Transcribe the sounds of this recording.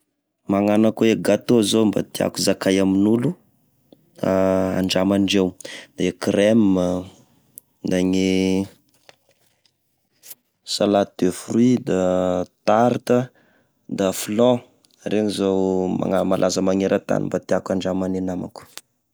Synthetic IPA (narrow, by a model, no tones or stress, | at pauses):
maŋanakueɡat̪ozomba̰t̪ia̰kuzakajaminulu | aa̰ɳɖ͡ʐamaɳɖ͡ʐewd̪̥ekremə | d̪aŋe | salat̪̚d̪̥efruid̪at̪aɾt̪ə | d̪aflɔ̃ | ɾeŋizowma̰ŋamalʔazəmaŋeɾʔat̪a̰nimbat̪iakaɳɖ͡ʐamanenama̰ku̥